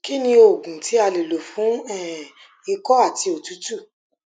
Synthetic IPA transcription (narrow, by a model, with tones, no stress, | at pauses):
ki˦nĩ˧o˨ɡũ˨ti˨˦a˧le˨lo˨fũ˨˦ɛ˦˨ | i˧kɔ˦a˦˨ti˧o˨tu˨˦tu˦˨